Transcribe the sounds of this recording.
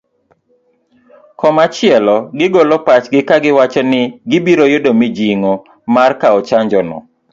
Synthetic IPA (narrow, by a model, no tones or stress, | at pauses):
kɔmat͡ʃɪɛlɔɡɪɡɔlɔpat͡ʃɡɪkaɡɪwat͡ʃɔnɪɡɪbiɾojʊdomɪd͡ʒiŋɔ | markaɔt͡ʃaɲd͡ʒɔnɔ̰